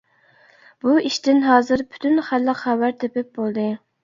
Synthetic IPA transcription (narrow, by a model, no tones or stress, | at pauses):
b̥uiʃt̪ɪnɦɑːzɨɾpʰy̥t̪ʰynχælːəqhɛwæɾt̪ʰepɪp̚bolˠd̪ɨ